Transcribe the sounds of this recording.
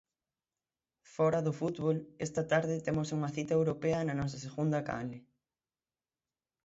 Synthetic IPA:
fɔɾɐðʊfut̪βolest̪ɐt̪aɾðɪt̪emosuŋɐθit̪ɐewɾopeɐnɐnɔs̬ɐseɣund̪ɐka̰lɪ

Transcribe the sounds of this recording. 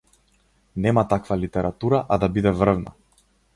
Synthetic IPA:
nɛmat̪akvalit̪ɛɾat̪uɾaʔad̪abid̪ɛvr̩vna̰

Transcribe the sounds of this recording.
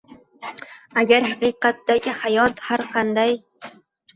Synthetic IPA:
aɡʲaɾhɑqɨqɑt̪d̪aɡʲɪhajɒt̪haɾqʰɑnd̪aj

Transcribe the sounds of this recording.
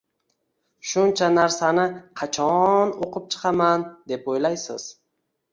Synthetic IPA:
ʃʊnt͡ʃʰanaɾsanɪqʰɑt͡ʃʰɒnoqʰɨp̚t͡ʃʰɨ̥qʰɑmand̪e̞pojlajsɪz̥

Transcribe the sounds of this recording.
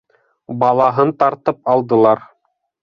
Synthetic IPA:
bɑlˠɑɦɤnt̪ɑɾt̪ɤp̚ɑlˠd̪ɤ̆lˠɑɾ

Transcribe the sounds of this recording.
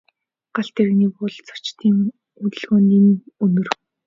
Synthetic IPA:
ɢ̥aɬt̪eɾɘɣniːpʊɮt͡sʰɔ̥t͡ɕt̪ʰiːŋ | ut̪ɘ̆ɮɣoːniːnɵnɵ̆r

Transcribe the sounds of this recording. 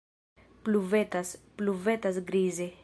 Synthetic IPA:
pluvet̪aspluvet̪asɡɾize

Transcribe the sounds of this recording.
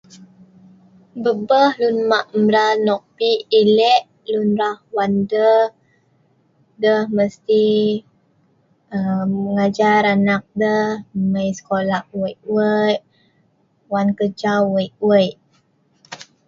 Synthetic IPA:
bəbəhlunmaʔmɾanɔk̚piʔilɛʔ | lunɾahwandəh | dəhməst̪i | əəŋad͡ʒaɾanak̚dəhməjsə̥kolaʔ̚wəjʔwəjʔ | wankəd͡ʒawəjʔwəjʔ

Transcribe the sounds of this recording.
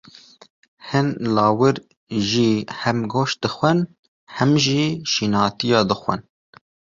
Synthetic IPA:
hɨnlɑːwɨɾ | ʒiːhɛmɡoːʃd̪̥ɨxʷɛn | hɛmʒiːʃiːnɑːt̪ijɑːd̪ɨxʷɛ̰n

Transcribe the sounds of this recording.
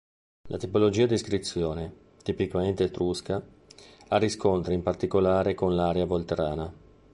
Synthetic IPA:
lʔa̰t̪ipolod͡ʒiːad̪iːskɾit̪sːjoːne | t̪ipikament̪et̪ɾuska | arːiskont̪ɾeimpart̪ikolaːɾekonlaːɾeavolt̪eɾaːna

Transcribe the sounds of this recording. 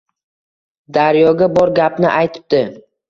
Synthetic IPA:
d̪aɾjɒɡʲabɒɾɡʲapnɪʔajt̪ʰɪ̥p̚d̪ɪ

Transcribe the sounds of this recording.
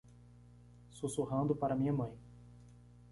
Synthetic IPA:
susuɦɐ̃d̪ʊpaɾɐmĩɲɐmɐ̃j̃

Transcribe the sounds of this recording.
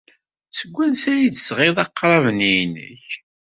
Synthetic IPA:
səɡʷːænsæjit͡sːə̥sʁeðˤɑqːɾˤɑvnijnə̰ç

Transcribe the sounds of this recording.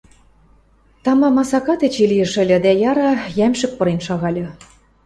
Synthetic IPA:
t̪ɑmɑmɑsɑkɑt̪et͡ɕilijə̆ʃɘ̆lʲɤ̆d̪æjɑɾɑjæmʃɘ̆k̚pɤ̆ɾenʃɑɣɑlʲɤ̆

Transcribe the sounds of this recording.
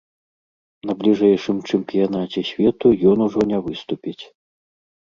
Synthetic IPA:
nɐblʲiʐɛjʂɨmt͡ʂɨmpʲijanat͡sʲɛsʲvʲɛt̪ujɔnuʐɔnʲɛvɨst̪upʲit͡sʲ

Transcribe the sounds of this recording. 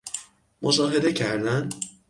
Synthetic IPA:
mʔoʃɒːɦe̞d̪e̞cʰæɾd̪æn

